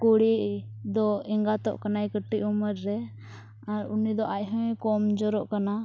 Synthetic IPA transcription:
kuɽiʔ | d̪ɔɛŋɡat̪ɔ̰ʔkanajkəʈːiʔuməɾːɛ | aɾunid̪ɔʔaʔɦəkɔmd͡ʒɔɾɔʔkana

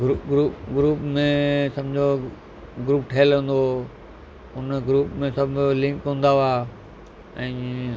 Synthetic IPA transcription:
ɾuɡɾuːpɡɾuːpmẽsɐ̃md͡ʑʱo | ɡɾuːp̚ʈʰeːlə̃ːnd̪o | ɦʊnɡɾuːpmẽsɐbʱlɪ̃ŋkɦũːnd̪aʋaː | ɛ̃ː

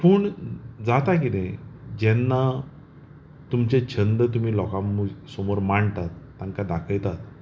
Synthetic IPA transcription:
pəːɳd͡zat̪ak̬it̪ẽd͡ʑɛnːa | t̪umt͡ɕet͡ɕʰənd̪ət̪̬um̤iːlɔkamːusomoɾmaɳt̪at̪ːãŋkad̪akʰəjt̪at̪

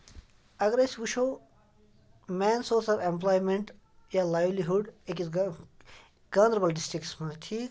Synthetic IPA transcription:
ɐɡɾesʋuʃoː | meːnsoːɾsɐɾẽmplaːjmẽɳʈ | jalajʋliɦuɖekiz | ɡ̥aːnɾɐbɐlɖisʈɾikʈsmɐ̃t̪ʰiː

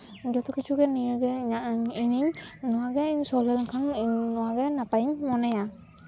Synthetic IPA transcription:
d͡ʒɔt̪ʰɔkit͡ʃʰuɡɛnijəɡɛiniɲnɔwaɡɛiɲsɔlɛlkʰannɔwaɡɛnapaiɲmɔnɛja

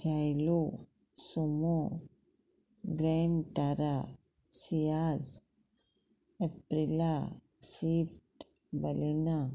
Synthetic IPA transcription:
d͡ʑajlo | somo | ɡɾenʈaɾa | sijaz | epɾila | siːfʈ | bəlina

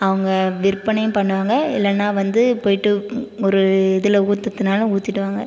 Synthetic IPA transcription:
ɐʋɐŋɡɐʋɪɾpːɐɳɐjʊ̃mpɐɳːɯʋaːŋɡɐɪlːɐnːaːʋɐnd̪ɯpoːjɪʈːɯɔɾɯɪðɯlɐuːt̪ːɐt̪ːɯnaːlɐuːt̪ːɪʈːɯʋaːŋɡɐ

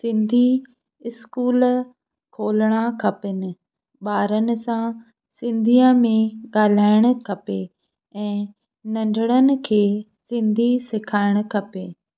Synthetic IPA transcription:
sɪ̃nd̪ʱi | ɪskuːl | kʰoːlɽ̃akʰɐpɪnɪ̆ | ɓaːɾənɪ̆sã | sɪ̃nd̪ʱiə̃mẽɠaːl̤aːɪɽ̃ʊ̆kʰɐpe | ɛ̃ː | nɐ̃ɳɖʱɪɽ̃ənɪ̆kʰeː | sɪ̃nd̪ʱisɪkʰaːɪɽ̃ʊkʰɐpeː

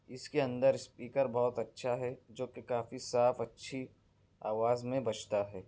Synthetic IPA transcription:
ɪskeɐ̃nd̪əɾspiːkəɾbɔɦʊt̪ɐtːʃʰaɦɛd͡ʒoːkekaːfisaːfɐtːʃʰi | aːʋaːzmẽbɐt͡ʃʰt̪aɦɛː

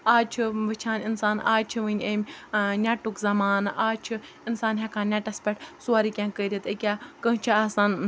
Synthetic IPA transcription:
aːt͡ʃʰɨʋət͡ʃʰaːninsaːnaːt͡ʃʰiʋənʲeːmʲnʲaːʈukzɐmaːnaːt͡ʃʰɨ | insaːnɦɐkʰãːnʲaʈɐspʲɛʈsuaːɾiːkʲãːkəiɾit̪əkʲaːkəɦt͡ʃʰiaːsaːn

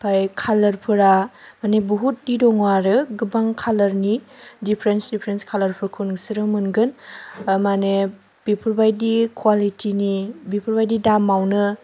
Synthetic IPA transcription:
pʰajkʰalɐɾpʰɯɾamanebuɦut̚didɔŋwaɾɯɡɯbaŋkʰalɐɾnidipʰɾensdipʰɾenskʰalɐɾpʰɯɾkʰunŋsiɾɯmɯnɡɯnmane | b̥ipʰuɾbajdikʰwalitʰinibipʰuɾbajdidamawnɯ

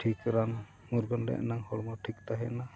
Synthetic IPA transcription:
ʈʰikɾan | muɾɡɔnlɛ̰ʔnaŋhɔɽmɔʈʰikt̪aɦɛna

